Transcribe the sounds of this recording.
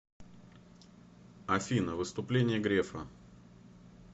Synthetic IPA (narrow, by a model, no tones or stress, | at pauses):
ɐfʲinəvɨst̪ʊplʲenʲɪjəɡɾʲefə̰